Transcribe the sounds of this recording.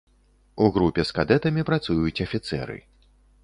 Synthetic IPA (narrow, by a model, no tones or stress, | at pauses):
uɣɾupʲɛskad̪ɛt̪ɐmʲipɾat̪sujut͡sʲɐfʲit̪sɛ̰ɾɨ̰